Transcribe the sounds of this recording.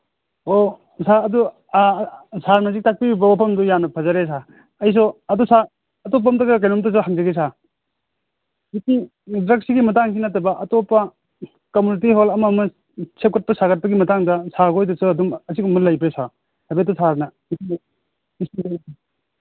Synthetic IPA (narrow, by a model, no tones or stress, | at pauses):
o | saɐdu | saɾnɐzik̚tak̚pibibɐwapʰɐmdɔjanːɐpʰɐzaɾes̬a | ɐjs̬ɔɐdusa | ɐtɔp̬aɐmtɐɡɐk̬ajnɔmtɔs̬ɔɦaŋzɐɡes̬a | iki | dɾɐksiɡimɐtaŋkʰinatɐbɐʔɐtopɐ | komunit̬iɦolɐmɐmɐ | sʰep̚kɐt̚pɐsakɐt̚pɐɡimɐtaŋdɐsaɡojtɔsɔɐdumɐsikumɐlɐjbesa | betɔsʰaɾnɐ | is | isinda